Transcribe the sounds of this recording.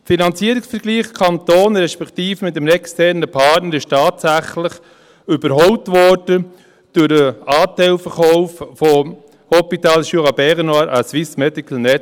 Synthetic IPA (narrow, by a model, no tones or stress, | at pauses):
finɑnt͡siəɾɪksfəɾɡ̥liːχkʰɑnt̪oːnɾɛʃpɛktiːfəmɪtːəmnɛkstɛɾnəpʰɑɾtnəɾɪʃtɑːtsæχlɪχ | ʏb̥əɾɦɔwtʋɔɾd̥ə | d̥ʊɾəɑːtɛɪlfəɾχɔʊffɔ | hɔpitɑːlʃuʁɑbɛʁnaɾʔəsʋɪsmɛdikʰl̩nɛ